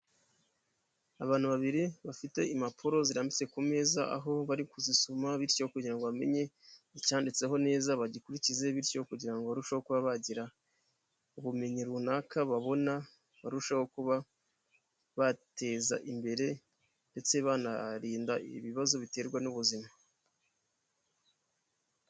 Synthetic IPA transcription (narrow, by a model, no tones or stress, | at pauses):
aβaːn̥huβaβiɾiβafite̞imapʰuɾo̞ziɾaːmbit͡se̞kume̞ːzaa̰ɦo̞βaɾikuzisumaβiɾcokuɟiɾaŋɡo̞βame̞̰ɲe̞icaːndit͡se̞ɦo̞ne̞ːzaβaɟikuɾicize̞βiɾcokuɟiɾaŋɡoβaɾuʃaho̞kuβaβaɟiɾa | uβume̞ɲiɾuunaːkaβaβo̞na | βaɾuʃaho̞kuβa | βate̞ːza̰ʔimbe̞ɾe̞ | nde̞t͡se̞βanaɾiːndaiβiβazo̞βite̞ːɾɡwanuβuzima